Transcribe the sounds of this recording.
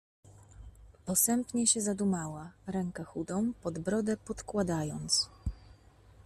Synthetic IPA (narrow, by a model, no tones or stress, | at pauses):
pɔsɛmpɲɛɕɛzad̪umawaɾɛŋkɛxud̪ɔ̃w̃pɔd̪bɾɔd̪ɛpɔt̪kwad̪ajɔnt̪s